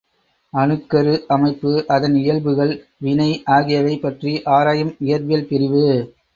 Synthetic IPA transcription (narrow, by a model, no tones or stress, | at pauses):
ɐnɯkːɐɾɯʔɐmɐɪpːɯʔɐðɐnɪjɐɭbɯɣɐɭ | ʋɪnɐɪʔaːɣɪjɐʋɐɪpːɐʈriʔaːɾaːjɐmɪjɐɾʋɪjɐlpɪɾɪʋɯ